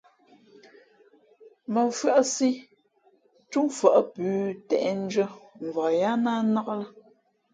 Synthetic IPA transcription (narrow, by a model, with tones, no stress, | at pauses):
mə˨fɰa˦ʔsi˦ | t͡ʃu˦ŋfa˨ʔpʉː˨˦tɛ̰˨ʔɛ˦n̩˦d͡ʒə˦m˨va˨ja˦na˦na˦ɣə˦lə˦